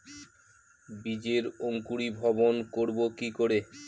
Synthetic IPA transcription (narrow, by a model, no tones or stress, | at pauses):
bid͡ʑeɾoŋkuɾibʱɔbonkoɾbokikoɾe